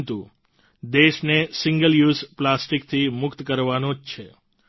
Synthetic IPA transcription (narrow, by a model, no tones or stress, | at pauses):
t̪u | d̪eʃnesɪŋɡəljuzplasʈikt̪ʰimʊkt̪kəɾʋanõd͡ʒt͡ʃʰe